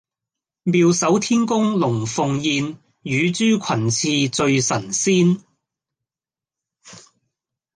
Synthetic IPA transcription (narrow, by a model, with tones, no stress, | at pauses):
miː˧wsɐ˨˥wt̪ʰiː˥nkʊ˥ŋlʊ˨˩ŋfʊ˨˧ŋjiː˧n | jyː˨˧t͡ʃyː˥kʷʰɐ˨˩nt͡sʰiː˧t͡sɵ˧ɥsɐ˨˩nsiː˥n